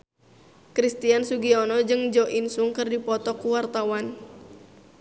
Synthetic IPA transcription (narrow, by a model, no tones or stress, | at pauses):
kɾist̪iansuɡiɔnɔd͡ʒɨŋd͡ʒɔʔinsuŋkɨrdipɔt̪ɔkuwart̪awan